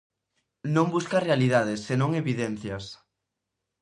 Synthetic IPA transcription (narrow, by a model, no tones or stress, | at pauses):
nõŋbuskɐrealiðaðɪsːenõŋeβiðɛnθjɐs